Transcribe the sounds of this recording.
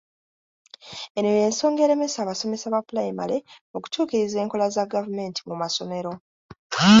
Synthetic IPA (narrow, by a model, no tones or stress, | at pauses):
e̞noje̞ːnso̞ːŋɡe̞ɾe̞me̞saːβaso̞me̞saβapulajima̰leo̞ku̥tʰuːkiɾize̞ːŋko̞lazaɡavume̞ːntimumaso̞me̞ɾo̞